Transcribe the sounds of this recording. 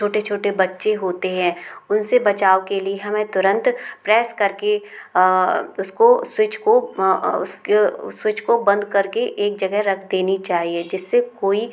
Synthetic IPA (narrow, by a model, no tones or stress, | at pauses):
t͡ʃʰoːʈet͡ʃʰoːʈebɐtːʃeɦoːt̪eɦɛ̃ːʊnsebɐt͡ʃaːokelieɦɐmẽt̪ʊɾə̃nt̪pɾɛːskɐɾke | ʊskoswɪt͡ʃkoʊskeswɪt͡ʃkobɐ̃nd̪kɐɾkeʔeːk̚d͡ʒɐɡɛɦɾɐkʰd̪eːnit͡ʃaːɦied͡ʒɪsːekoːi